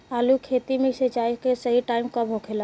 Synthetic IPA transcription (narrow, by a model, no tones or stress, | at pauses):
aːlukʰeːt̪imẽset͡ʃaːikesəɦiʈaːɪmkabɦokʰela